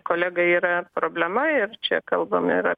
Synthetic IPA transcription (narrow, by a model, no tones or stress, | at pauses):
koːlʲæːɡɐiːɾɐpɾoːbʲlʲɛmɐɪrt͡ʃʲɛkɐlˠbɐmɪɾɐ